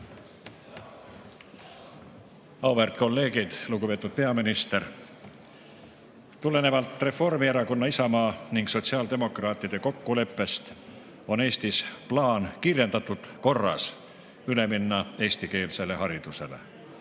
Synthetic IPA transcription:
ɑwvert̪ko̞lːe̞ːɡid̪̥lukupe̞ːt̪ːˑud̪̥̚pe̞ɑminist̪e̞r | t̪ule̞ne̞vɑlt̪ˑre̞fo̞rmieɾɑko̞nːɑisɑmɑːniŋɡ̥so̞t̪ʲsiɑːld̪e̞mo̞krɑːt̪ˑːid̪̥e̞ko̞kːule̞pˑːe̞st̪ | o̞ne̞ːst̪isplɑːnkirje̞nd̪ɑt̪ːud̪̥ko̞rːɑ̰s | yle̞minːɑe̞ːsʲt̪ike̞ːlse̞le̞hɑɾid̪̥use̞lḛ

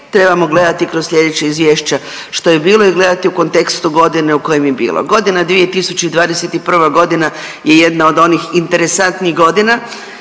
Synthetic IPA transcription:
t̪ɾe̞bamo̞ɡle̞d̪at̪ikɾozsʎʲe̞d̪et͡ɕeizʋjeːʃt͡ɕa | ʃt̪o̞jebiːlˠo̞iɡle̞d̪at̪iuko̞nt̪e̞kst̪uɡo̞d̪ine̞uko̞jemjebḭːlˠo̰ɡo̞d̪inad̪ʋie̞t̪isut͡ɕeid̪ʋaːd̪eset̪ipr̩ʋaɡo̞d̪ina | je̞je̞d̪nao̞d̪o̞nixint̪e̞ɾesant̪niɣɡo̞d̪ina

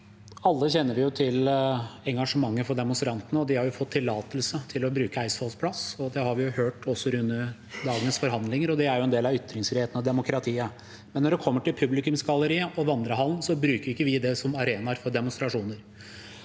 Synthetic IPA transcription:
ɑlːəçɛnːəɾʋɪjʊt̪ʰɪlɛŋɡɑʂəmɑŋːəfɔɖɛmʊnst̪ɾɑnt̪ənəɔd̪ɪhɑɾjʊfɔt̪ʰːɪlːɑːt̪əlsət̪ʰɪlɔbɾʉːkəæɪsfɑlspʰlɑsɔd̪ɛhɑɾʋɪjʊhøːʈɔsːɔɾʉnːə | d̪ɑːɡənəsfɔɾɦɑnd̪lɪŋəɾɔd̪ɛæɾjʊɛnd̪eːlɑʋʏt̪ːɾɪŋsfɾɪheːt̪n̩ɔd̪ɛmʊkɾɑt̪ʰiːə | mɛnːɔɖɛkʰɔmːəʈɪlpʰʉblɪkʉmsɡɑlːəɾiːəʔɔʋɑnd̪ɾəɦɑlnsɔbɾʉːkəɾʊɪkːəʋɪd̪ɛsɔmɑɾeːnɑɾfɔɖɛmʊnst̪ɾɑʂuːnəɾ

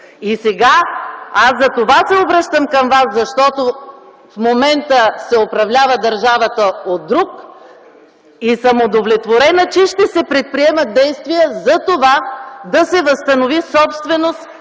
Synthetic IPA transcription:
isɛɡaasːɐt̪ovasɛobɾəʃt̪əmkɐmvaszɐʃt̪ɔt̪o | fmomɛnt̪əsɛopɾɐvlʲavəd̪ɐɾʒavət̪əod̪ːɾuk | isɐmod̪ovlʲɛt̪voɾɛnət͡ʃɛʃt̪ɛsɛpɾɛt̪̚pɾiɛmət̪̚d̪ɛjst̪vijəzɐt̪ovad̪ɐsɛvəst̪ɐnovisɔpst̪vɛnost̪

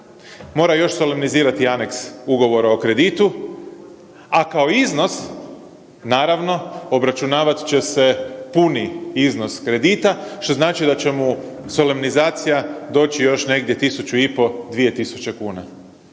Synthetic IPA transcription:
mo̞ːɾajo̞ʃso̞lemniziːɾat̪iane̞ksuɡo̞ʋo̞ɾaokɾe̞d̪it̪u | akaoizno̞s | naːɾaʋno̞obɾat͡ʃunaːʋat̪t͡ɕe̞se̞puniizno̞skɾe̞d̪iːt̪aʃt̪o̞znaːt͡ʃid̪at͡ɕe̞muso̞lemnizaːt̪sijad̪o̞ːt͡ɕijo̞ʃne̞ɡd̪je̞t̪isut͡ʃuipo̞d̪ʋije̞t̪isu̥t͡ɕe̞kuːna

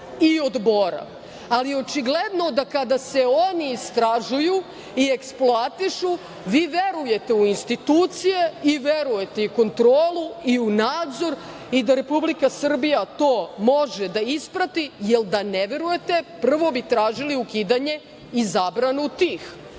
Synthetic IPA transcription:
iod̪boɾa̰ | alio̞t͡ʃiɡled̪no̞d̪akad̪ase̞oniːst̪ɾaʒuju | ie̞ksploat̪iʃu | ʋiːʋeɾuje̞t̪e̞uinst̪it̪uːt̪sije̞iʋeɾuje̞t̪eiko̞nt̪ɾoːlˠuiunaːd̪zo̞ɾ | id̪aɾe̞publikasr̩bijat̪o̞ːmo̞ʒed̪aispɾat̪ijeld̪aneʋe̞ɾuje̞t̪epr̩ʋo̞bit̪ɾaːʒiliukiːd̪aɲe̞ | izaːbɾanuut̪iːx

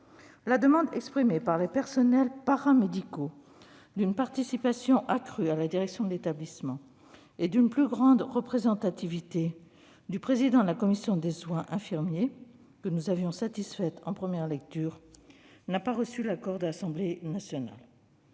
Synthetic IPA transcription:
lad̪əmɑ̃d̪ɛkspχimepaʁlepɛʁsɔnɛlpaʁamed̪iko | d̪ynpaʁt̪isipasjɔ̃ʔakχyalad̪iʁɛksjɔ̃d̪əlet̪ablismɑ̃ | ed̪ynplyɡʁɑ̃d̪ʁəpχezɑ̃t̪at̪ivit̪e | d̪ypχezid̪ɑ̃d̪əlakɔmisjɔ̃d̪eswɛ̃ʔɛ̃fiʁmje | kənuzavjɔ̃sat̪isfɛt̪ɑ̃pχəmjɛʁlɛk̚t̪yʁnapaʁəsylakɔʁd̪əasɑ̃blenasjɔna̰l

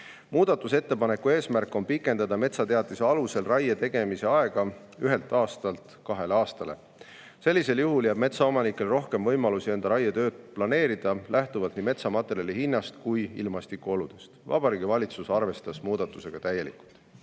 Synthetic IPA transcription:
muːd̪̥ɑt̪ːˑuse̞t̪ːe̞pɑne̞kːˑue̞ːsmærkːˑo̞npikːˑe̞nd̪̥ɑd̪̥ɑme̞t̪sɑt̪e̞ɑt̪ːˑiseɑluse̞lrɑjet̪e̞ɡ̥e̞mise̞ɑeɡ̥ɑ | yɦe̞lt̪ˑɑːst̪ɑlt̪kɑɦe̞leɑːst̪ɑle̞̰ | se̞lːise̞ljuɦuljæːb̥me̞t̪sɑo̞mɑnikːˑe̞lro̞hke̞mvɤ̞jmɑlusie̞nd̪̥ɑɾɑjɑt̪ø̞ːd̪̥̚plɑne̞ːɾid̪̥ɑlʔæht̪uvɑlt̪niːme̞t̪sɑmɑt̪ːˑe̞ɾiɑlihinːɑst̪kujḭlmɑst̪ikːuo̞lud̪̥est̪vɑ̰b̥ɑɾiːɡ̥ivɑlʲit̪susɑrve̞st̪ɑsmuːd̪̥ɑt̪ːˑuse̞ɡ̥ɑt̪æjːe̞lḭkːˑult̪ˑ

